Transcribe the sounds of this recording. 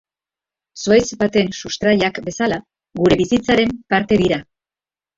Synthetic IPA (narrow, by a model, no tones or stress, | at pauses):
suajzbat̪e̞nsust̪ɾaʎakbe̞sala | ɡuɾe̞βisit͡saɾe̞mpaɾt̪e̞ðiɾa